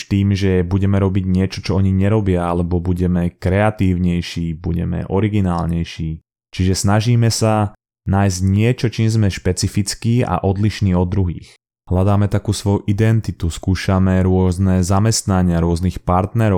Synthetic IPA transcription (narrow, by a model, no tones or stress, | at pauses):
t̪iːmʒɛbuɟɛmɛɾɔbiɟɲɪɛt͡ʃɔt͡ʃɔɔɲiɲɛɾɔbɪaalɛbɔbuɟɛmɛkɾɛat̪iːʊɲɛjʃiːbuɟɛ̰mɛ̰ʔɔɾiɡinaːlɲɛjʃiː | t͡ʃiʒɛsnaʒiːmɛsa | naːjzɟɲɪɛt͡ʃɔt͡ʃiːmzmɛʃpɛt͡sifit͡skiːa̰ʔɔd̪liʃniːɔd̪ːɾuɦḭːx | ɦlad̪aːmɛt̪akuːsʋɔjuʔid̪ɛnt̪it̪uskuːʃamɛɾʊɔznɛzamɛst̪naɲɪaɾʊɔznixpaɾt̪nɛɾɔ